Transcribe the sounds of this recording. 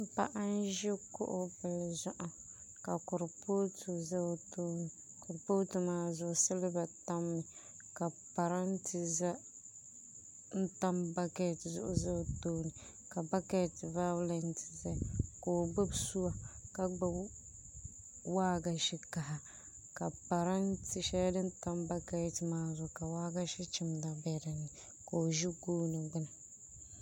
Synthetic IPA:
m̩˦pa̰˦ʔa˦n˦ʒɪ˦kʊ̰˦ʔʊ˦bɛ˨lzʊ˦ʔa˨ | ka˨kʊ˨ɾpo˦tu˨za˦to˦ni˨ | kʊ˨ɾpo˦tu˨maː˨zʊ˨ʔʊ˨sɪ˦lɪ˦ba˨ta˦mːɪ˨ | ka˨pa˨ɾa˦n˦tɪ˨za˦ | n̩˦ta˦mba˦kɛ˨tzʊ̰˨ʔʊ̰˨za˦˨toː˦ni˨ | ka˨ba˦kɛ˦˨ti˨va˦wlɛ˨n˦tʰi̥˨za˦˨ko˨o˨ɡ͡bɨ˦bsu˦wa˨ka˦ɡ͡bɨ˦ | waː˦ɡa˨ʃi˦ka˨ha˨ | ka˨pa˨ɾa˦nti˨ʃɛ˦dɨ˦n̩˦ta˦mba˦kɛ˦˨ti˨maː˦zʊ˨ka˨waː˦ɡa˦ʃi˦t͡ʃɪ˦mda˨bɛ˨da˨nːɨ˨ | ko˨ʒi˦ɡoː˦nɨ˨ɡ͡bɨ˦nɨ˨

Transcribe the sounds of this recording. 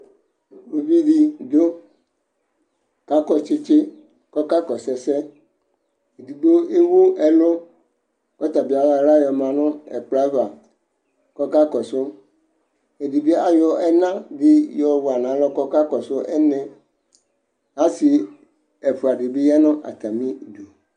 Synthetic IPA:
o˨bi˦ɖi˦d̪o˦ | ka˦kɔ˦t͡ʃɪ˦t͡ʃe˦ | kɔ˦ka˦kɔ˨sɛ˨sɛ˦ | e˨di˨ɡ͡bo˦e˦wo˦ɛ˨lo˦ | kɔ˦t̪a˨bi˨˦a˨la˦˨ɾa˦jɔ˨mã˨nʊ̃˦ɛ̰˨k͡pla˦va˨ | kɔ˦ka˦kɔ˨sʊ˦ | e˨di˨bi˦a˨jɔ˨ɛ˦nã˦di˦jɔ˨wo˨a˨nã˨˦lɔ˦kɔ˦ka˦kɔ˨sʊ˦ʔɛ˦nɛ̃˨ | a˦si˨ | ɛ˨ɸu˨a˨ɖi˨bi˦ja˦nʊ̃˦ʔa̰˨t̪a˨mĩ˦˨do˨

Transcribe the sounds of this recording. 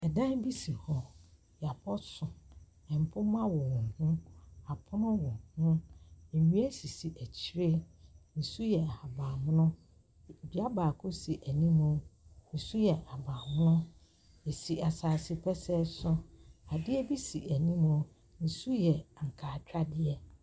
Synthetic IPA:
ɛ˨dã˦n˦bi˦si˨hɔ˦ | jɛ˨a˨pʰɔ˦sʊ˨ | ɛ̃˨m̩˨pʰʊ̃˦mã˦wɔ˨wɔ̃˨hʊ̃˦a˨pʰʊ˦nʊ̃˦wɔ̃˨hʊ̃˦ɛ˨ɲũ˦æ˦si˨si˨ʔæ˨t͡ɕʰi˦ɾe˦ | n̩˨su˦jɛ˨a˨baː˨mʊ̃˦nʊ̃˦˨ | bi˨a˦baː˨kʰʊ˦si˨ʔæ˨nĩ˦mʊ̃˨n̩˨su˦jɛ˨ʔa˨baː˨mʊ̃˦nʊ̃˦ | e˨si˨a˨saː˨si˨pʰɛ˦sɛ˦sʊ˦a˨dɪ˦ɛ˦bi˦si˨æ˨nĩ˦mʊ̃˨˦ | n̩˨su˦jɛ˨ŋ̩˨kʰaː˨t͡ɕᶣɾa˦dɪ˦ɛ˦

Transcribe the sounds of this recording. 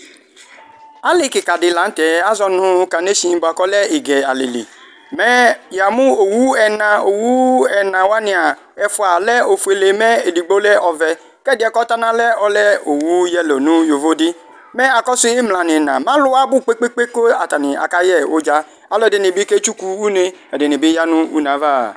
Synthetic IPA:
a˦lɪ˦kɪ˨ka˨dɪ˨la˨˦n̩˦tɛ˨a˦zɔ˦nʊ˦ka˨ne˦si˨˦bʊ˨a˨kɔ˦lɛ˦ɪ˨ɡɛ˨a̰˨lḛ˨lḭ˨ | mɛ˦ja˨mʊ˦o˨wu˦ɛ˨nã˨o˨wu˦ɛ˨nã˨wa˦nɪ˨a˨ | ɛ˨fʊ˨˦a˨lɛ˦o˨fu˨e˨le˨mɛ˦e˨di˨ɡ͡bo˦lɛ˦ʔɔ˨vɛ˨ | kɛ˦dɪ˨˦ɛ˦˨kɔ˦ta˦na˦lɛ˦ɔ˦lɛ˦o˨wu˦jɛ˦lo˨nũ˦jo˨vo˦dɪ˦ | mɛ˦a˨kɔ˦si˦ɪ˦mla˨nɪ̃˨nã̰˨mã˦lʊ˦a˦bʊ˦k͡pe˦k͡pe˦k͡pe˦ko˦a˨ta˨nɪ˨a̰˨ka˦jɛ˨o˦d͡ʒa˦ | a˨lɔ˦ɛ˨de˨nɪ˨bi˦ke˦t͡ʃu˦ku˦u˦ne˦ɛ˨de˨nɪ˨bɪ˦ja˦nʊ̃˦ṵ˦nã˨˦va̰˦˨

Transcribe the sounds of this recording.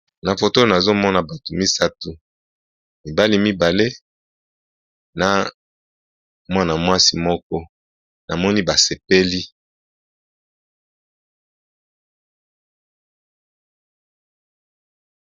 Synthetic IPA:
na˨fo˨to˦o˨na˨zo˦mɔ˦na˨ba˨tu˨mi˦sa˦tu˨ | mi˨ba˦li˦mi˦ba˨le˦ | na˨ | mwa˦na˨mwa˦si˨mɔ˦kɔ˦ | na˨mɔ˦ni˦ba˨se˨pe˦li˦

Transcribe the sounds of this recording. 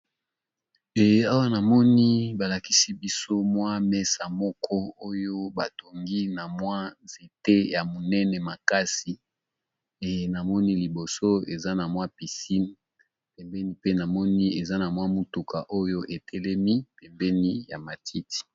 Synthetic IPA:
e˨a˦wa˦na˨mɔ˦ni˦ba˨la˨ki˦si˦bi˦so˦mwa˦mɛ˦sa˨mɔ˦kʰɔ˦o˦jo˦ba˨to˨ŋɡi˦na˨mwa˦ze˨te˦ja˨mo˨nɛ˦nɛ˨ma˨ka˦si˨ | e˨na˨mɔ˦ni˦li˨bo˨so˦e˨za˦na˨mwa˦pi˨si˦n | pɛ˨mbɛ˦ni˦pe˦na˨mɔ˦ni˦e˨za˦na˨mwa˦mu˨tu˨ka˨ʔo˦jo˦ʔe˨tʰɛ˦lɛ˦mi˦pɛ˨mbɛ˦ni˦ja̰˨ma˨tʰi˦ti̥˨

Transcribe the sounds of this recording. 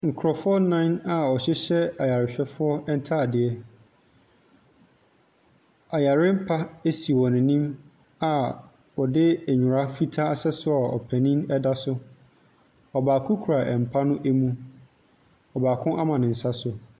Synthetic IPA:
ŋ̩˨kʰɔ˨fʊ˦ɔ˦nã˦ɪ̃˦na˨ɔ˨ɕɛ˦ɕɛ˦a˨ja˨ɾɪ˨ɕᶣɛ˦fʊ˦ɔ˦ɛ˦n˦tʰa˦˨dɪ˨ɛ˦ | a˨ja˨ɾɪ˦m̩˦pʰa˦e˦si˨wɔ̃˨nɪ̃˨nĩ˦m | a˨ | wɔ˨dɪ˦æ˨ɲʊ̃˨ɾa˦fi˦tʰa˦a˦sɛ˦sʊ˦a˨ɔ̰˨pʰæ̃˨nĩ˦nɛ˦da˦sʊ˦ | ɔ˨baː˨kʰʊ̃˦kʰu˨ɾa˨ʔɛ˨m̩˨pʰa˦nʊ̃˦ʔæ˦mũ˦ | ɔ˨baː˨kʰʊ̃˦ʔa˦mã˨nɪ̃˨n̩˨sa˦sʊ˦

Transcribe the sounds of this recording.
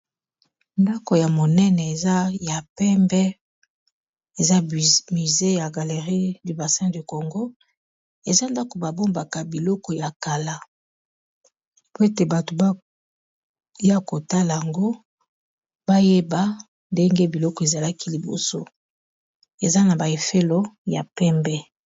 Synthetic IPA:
nda˦ko˨ja˨mo˨nɛ˦nɛ˨e˨za˦ja˨pɛ˦mbɛ˦ | e˨za˦mi˨ze˦ja˨ɡa˨le˨ʁi˦di˨ba˨sɛ̃˦di˨ko˨ŋɡo˦ | e˨za˦nda˦ko˨ba˨bo˦mba˨ka˨bi˨lɔ˦kɔ˨ja˨ka˨la˦ | po˦e˦te˨ba˨to˨b | ja˦ko˨ta˦la˨ja˨ŋɡo˦ | ba˦je˦ba˦ | nde˦ŋɡe˦bi˨lɔ˦kɔ˨e˨za˨la˦ki˦li˨bo̰˨so˦ | e˨za˦na˨ba˨e˨fe˦lo˦ja̰˨pɛ˦mbɛ˦

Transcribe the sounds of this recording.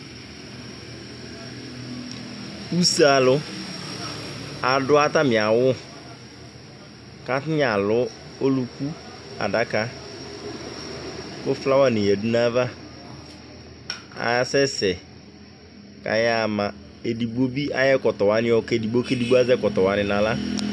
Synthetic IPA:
u˦sa˦˨lʊ˦ | a˨dʊ˦a˦ta˦mɪ˨a˨wʊ˦ | ka˦tɪ˦ɲ˦a˨lʊ˦ | o˦lu˨ku˦ | a̰˨da˦ka˦ | kʊ˦fla˦wa˦˨ni˨ɛ˨du˦na˦va˦ | a̰˨sɛ˦sɛ˨ | ka̰˨ja˨ma˨ | e˨di˨bo˦bi˦a̰˦jɛ˦kɔ˨tɔ˨wa˨˦nɪ̃˦ɔ˨kdi˨ɡ͡bo˦ke˦di˨ɡ͡bo˦a˦zɛ˦kɔ˨tɔ˨wa˨nɪ˨na˨la˦

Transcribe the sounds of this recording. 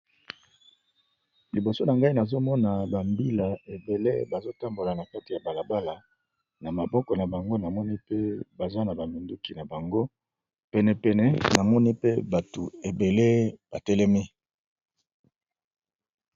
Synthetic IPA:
li˨bo˨so˦na˨ŋɡa˦i˦na˨zo˦mɔ˦na˨ba˨mbi˦la˨e˨be˨lḛ˦ba˨zo˦ta˦mbo˨la˨na˨ka˦ti˨ja˨ba˨la˨ba˦la˨ | na˨ma˨bɔ˦kɔ˨na˨ba˨ŋɡo˦na˨mɔ˦ni˦pe˦ba˨za˦na˨ba˨mi˨ndu˦ki˨na˨ba˨ŋɡo˦ | pɛ˨nɛ˨pɛ˨nɛ˨na˨mɔ˦ni˦pe˦ba˨to˨e˨be˨le˦b̥a˨tɛ˦lɛ˦mi˦

